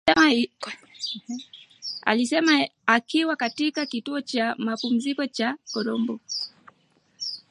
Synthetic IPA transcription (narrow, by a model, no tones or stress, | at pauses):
ɛ | a̰lisɛmaakiwakatikakituɔt͡ʃamapum̩zikɔt͡ʃakɔɾɔmbɔ